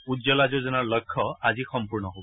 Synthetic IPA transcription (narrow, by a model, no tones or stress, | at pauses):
udzɔlazuzɔnaɹləkʰːɔazisɔmpuɹnɔɦobɔ